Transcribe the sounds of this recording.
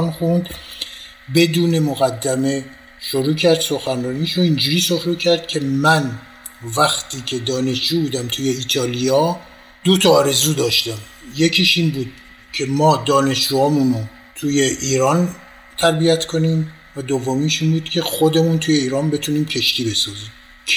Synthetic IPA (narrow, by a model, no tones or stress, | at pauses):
nxund̪ | be̞d̪uːne̞moɣæd̪ːæme̞ | ʃoɾuːcʰæɾd̪̥so̞xænrɒːniʃoind͡ʒuːɾiːsofɾucʰæɾd̪̥̚cʲʰe̞mæn | væxt̪ʰiːcʰe̞d̪ɒːne̞ʃd͡ʒuːbuːd̪æmt̪ʰuːje̞iːt̪ʰɒːliɒ | d̪̥ot̪ʰɒːɾe̞zuːd̪ɒːʃt̪æm | je̞cʰiːʃinbuːd̪̥̚ | cʰe̞mɒːd̪ɒːne̞ʃd͡ʒuːɒːmuno | t̪ʰuje̞ʔiːɾɒːn | t̪ʰæɾbijæt̪kʰo̞niːm | væd̪ovːomiːʃiːnbuːd̪̥cʲʰe̞xod̪e̞muːnt̪ʰuːje̞iːɾɒːnbe̞t̪ʰuːniːmcʰe̞ʃt̪iːbe̞sɒːziːmʰ